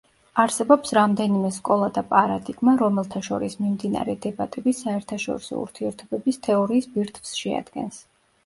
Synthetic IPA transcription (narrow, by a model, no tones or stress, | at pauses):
aɾsɛbɔpsɾamd̪ɛnimɛskʼɔlˠad̪apʼaɾad̪iɡmaɾɔmɛlˠt̪ʰaʃɔ̰ɾismimd̪ina̰ɾɛd̪ɛbat̪ʼɛbisaɛɾt̪ʰaʃɔ̰ɾisɔ̰ṵɾt̪ʰiɛɾt̪ʰɔbɛbist̪ʰɛɔɾiːsbiɾt̪ʰvsʃɛa̰d̪̥ɡɛ̰ns